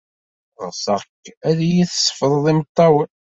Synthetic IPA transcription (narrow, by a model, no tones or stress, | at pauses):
ʁsəʁkːæðjiθsˤːə̥fəðˤðˤimət̪ˤːɑwə